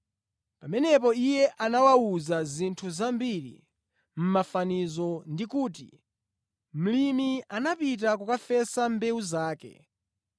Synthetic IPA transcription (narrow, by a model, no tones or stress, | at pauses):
pamɛnɛp̬ɔijɛʔanawauzazintʰuzambiɾḭ | m̩mafanizɔndikuːtḭ | m̩limianapit̬akukafɛsambɛuzaːkɛ̰